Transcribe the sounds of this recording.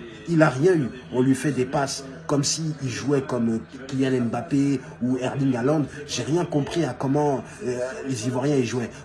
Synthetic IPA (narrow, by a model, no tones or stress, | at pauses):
ilaʁjɛ̃y | ɔ̃lɥifɛd̪epas | kɔmsiilʒuɛkɔm | kljanɛnbape | uɛʁd̪ĩŋɡalɑ̃d̪ʒ̥eʁjɛ̃kɔ̃pχiakɔmɑ̃ | lezivwaʁjɛ̃iʒuɛ